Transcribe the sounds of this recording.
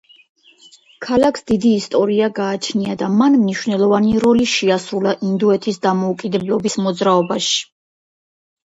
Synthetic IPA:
kʰalakʰsd̪id̪iːst̪ʼɔɾiaɡaːt͡ʃʰniad̪amanmniʃvnɛlˠɔvaniɾɔliʃiasɾulaʔind̪uɛt̪ʰisd̪amɔukʼid̪ɛblˠɔbismɔd̪zɾaɔbaʃi̥

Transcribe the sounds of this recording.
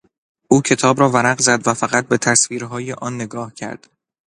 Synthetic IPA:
ʔuːcʰe̞t̪ʰɒːbɾɒːvæɾæɢzæd̪væfæɣæt̪̚be̞t̪ʰæsviːɾɦɒːjeʔɒːnːe̞ɡɒːhcʰæ̰ɾd̪̥

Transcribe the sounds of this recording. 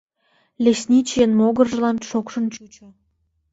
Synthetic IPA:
lʲesʲnʲit͡ɕijənmoɣərʒə̆lɑnʃokʃə̆nt͡ɕut͡ɕo

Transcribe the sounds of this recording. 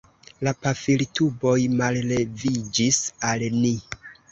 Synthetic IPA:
lapafiltʰubo̞jmalle̞vid͡ʒisalni

